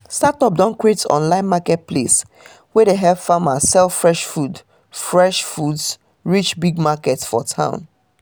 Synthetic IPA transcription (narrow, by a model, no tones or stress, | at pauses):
statɔp̚dãnkɹetsɔ̰̃nlãɪ̃nmakɛt̚pʰlḛs | wɛdeɦɛvfamasɛlfɹɛʃfud | fɹɛʃfuds | ɹit͡ʃbiɡmakɛtsfɔtʰã̰ʊ̃n